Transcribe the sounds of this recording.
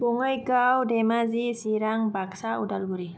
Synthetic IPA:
boŋʌjɡawdemazisiɾaŋbaksaudalbuɾi

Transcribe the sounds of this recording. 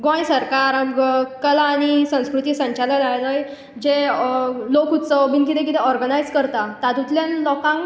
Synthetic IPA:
ɡɔ̃jsəɾkaaɾəmɡəkəlaːɽ̃isə̃w̃skɾut̪isə̃ɲt͡ɕalalajləj | d͡ʑe | lokut̪t͡səʋbint̪it̪ẽk̬it̪ɛɔɾɡənajd͡zkəɾt̪at̪at̪ut̪ljãnlɔkãŋ

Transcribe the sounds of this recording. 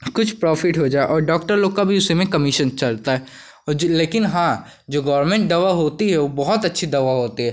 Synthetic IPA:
kʊt͡ʃʰpɾɔːfʰɪʈɦod͡ʒaːeʔɔːɾɖɔːk̚ʈəɾloːɡ̚kabʱiʊsemẽkɐmɪʃənt͡ʃɐlt̪aɦɛ | leːkɪnɦã | d͡ʒoːɡɔːəɾmẽːɳʈ̚d̪ɐʋaɦoːt̪iɦɛobɔɦʊt̪ɐtːʃʰid̪ɐʋaɦoːt̪iɦɛː

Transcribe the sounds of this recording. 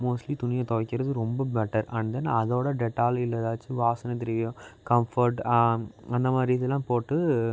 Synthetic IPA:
moːsʈlit̪ʊnɪjɐ̃t̪ɔʋɐkːɪɾɐðɯɾɔmbɐbɛʈːɐɾʔɐɳd̪enːaɐðoːɽɐɖɛʈːaːlɪlːɐðaːt͡ʃːɯʋaːsɐnɐt̪̬ɪɾɪʋjõkɐmfɐɾʈ | ɐnd̪ɐmaːd̪ɾiðɛlːãːpoːʈːɯ

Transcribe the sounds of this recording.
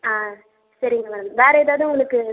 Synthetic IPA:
aː | sɐɾɪŋɡɐʋɐːɾɐmʋeːɾɐɛðaːʋðɯ̃ʊŋɡɐɭɯkːɯ

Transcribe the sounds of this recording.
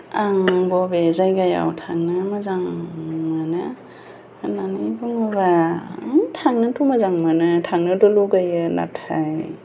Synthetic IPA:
aŋbɔbezajɡaja̰wtʰaŋnɯmazaŋmanɯ | nanijbuŋɯba | tʰaŋnɯtʰumazaŋmanɯtʰaŋnɯdɔluɡajɯna̰tʰaj

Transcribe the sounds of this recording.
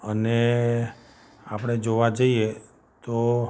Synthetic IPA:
əne | apɽ̃ed͡ʒoʋad͡ʒəie | t̪o

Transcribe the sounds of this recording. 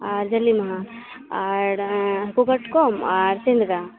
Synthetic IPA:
aɾd͡ʒɐlːimɐɦã | aɾkuɡɐʈkomaɾsẽnd̪ɡa

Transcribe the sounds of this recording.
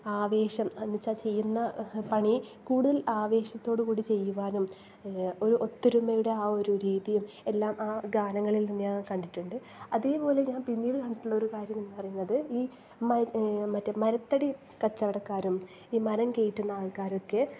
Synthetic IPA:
aːʋe̞ːɕɐmɐnːit͡ɕːat͡ɕe̞jːunːɐpɐɳikuːɽuðɐlaːʋe̞ːɕɐt̪ːo̞ːɽɨkuːɽit͡ɕe̞jːuʋaːnum | o̞ɾuʔo̞t̪ːiɾumɐjuɽe̞aːo̞ɾuɾiːðijum | e̞lːaːmaːɡaːnɐŋːɐɭilnimːɲaːnkɐɳɖiʈːuɳɖɨ | ɐðeːpo̞ːle̞ɲaːnpinːiːɽɨkɐɳɖiʈːuɭːɐo̞ɾukaːɾjɐmenːpɐrɐjunːɐðɨiː | mɐmɐtːɐmɐɾɐt̪ːɐɽi | kɐt͡ɕːɐʋiɽɐkːaːɾum | iːmɐɾɐmke̞jiʈːunːɐaːɭkaːɾo̞kːe̞

